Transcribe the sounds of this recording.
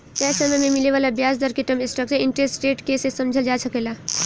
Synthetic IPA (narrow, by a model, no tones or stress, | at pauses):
pɛːsəməjmẽmileʋaːlabjaːsd̪əɾkeʈəmɪ̃sʈəkseɪɳʈɾesʈsʈeːʈkesesəmd͡ʒʱəld͡ʒasʰəkela